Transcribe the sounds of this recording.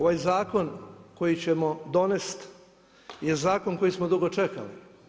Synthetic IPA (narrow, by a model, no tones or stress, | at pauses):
oʋajzaːko̞nko̞jit͡ɕemod̪o̞nest̪ | je̞zaːko̞nko̞jismod̪uɡo̞t͡ʃeka̰li